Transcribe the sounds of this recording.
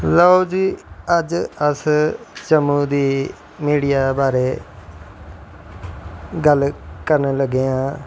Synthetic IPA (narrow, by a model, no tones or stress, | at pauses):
laod͡ʒiːəd͡ʒəst͡ʃəmũːd̪iː | miːɽijaːbaːɾeː | ɡəlkəɾneːləɡeːãː